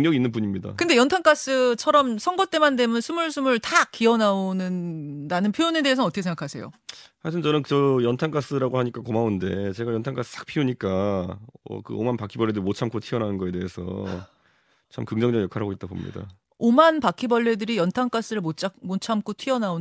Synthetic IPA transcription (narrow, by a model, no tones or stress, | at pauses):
ɯŋɲʌɡinːɯnbuɲimɲida̰kɯnde̞jʌntʰaŋk͈as͈ɯt͡ɕʰʌɾʌmsʰʌŋɡʌt͈emande̞mjʌnsʰumuɭsʰumuɭtakiʌnaonɯndanɯnpʰjojone̞de̞ɦes̬ʰʌnʌt͈ʰʌkesʰeŋɡakʰasʰe̞jo̰haɭtʰɯnt͡ɕʌnɯnkt͡ɕʌjʌntʰaŋk͈as͈ɯɾaɡohaɲik͈akomaunde̞t͡ɕe̞ɡajʌntʰaŋk͈as͈ɯ̥t͈ʰḁk̚pʰiuɲik͈a | ʌ̰kɯ̰o̰manpakʰibʌɭːe̞dɯɾimot͡ɕʰamkʰotʰiʌnanɯnɡʌe̞de̞e̞sʰʌ̰ | t͡ɕʰamkɯŋd͡ʑʌŋd͡ʑʌɡjʌkʰaɾɦaɡoit̚t͈abo̰mɲḭda̰ | omanpakʰibʌɭːe̞dɯɾijʌntʰaŋk͈as͈ɯɾɯɭmot͡ɕ͈ʰmot͡ɕʰamk͈ʰotʰiʌnao